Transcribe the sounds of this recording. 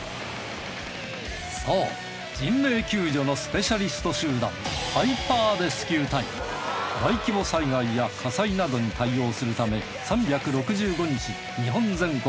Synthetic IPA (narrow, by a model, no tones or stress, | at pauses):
soː | d͡ʑimːe̞ːkʲɨːd͡ʑo̞no̞sɨ̥pe̞ɕaɾʲisɨ̥t̪o̞ɕɨːd̪ã̰mpaipaːd̪e̞sɨ̥kʲɨːt̪aḭm | baikʲibo̞saiɡaijakʰasainad̪o̞ɲ̟it̪aio̞ːsɨɾɯ̟t̪ame̞ | sãmbʲakɯ̟ɾo̞kɯ̟ʑɨːɡo̞ɲ̟it͡ɕi | ɲiɦõ̞nd͡zẽ̞ŋko